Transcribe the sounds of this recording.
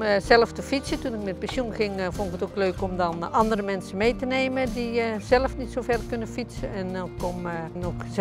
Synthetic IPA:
zɛləftəfitsətunɪk̚mɛt̚pɛnsjunχɪŋfɔndɪkətokløːkɔmdɑnɑndərəmɛnsənmejtəneːmədizɛləfnitsowvɛrkʏnənfitsəɛnɔkɔmnɔk

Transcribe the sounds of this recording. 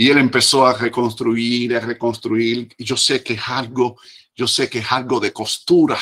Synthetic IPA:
ie̞le̞mpe̞so̞are̞ko̞nst̪ɾuiɾare̞ko̞nst̪ɾuiɾʝo̞se̞kesalɡo̞ | d͡ʒo̞sekeesalɣo̞ðe̞ko̞st̪uɾa

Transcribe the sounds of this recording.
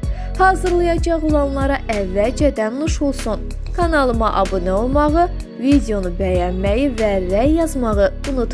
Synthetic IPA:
hɑːzɯɾlˠɑjɑd͡ʒɑʁulˠɑnlˠɑɾɑʔævːæld͡ʒɛd̪ænːuʃulˠsun | kʰɑnɑlˠɯmɑʔɑbunɛolˠmɑʁɯ | vid̪ʲeo̞nubæjɑnmæjivæɾæjːɑzmɑʁɯ | unut̪

